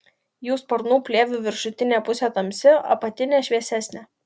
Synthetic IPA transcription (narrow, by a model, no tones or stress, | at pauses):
juːspɐɾnuːpʲlʲeːʋʲʊʋʲɪɾʃʊt̪ʲɪnʲeːpʊsʲɛt̪ɐmʲsʲɪɐ̰pɐt̪ʲɪnʲeːʃʲʋʲiɛsʲæːsʲnʲeː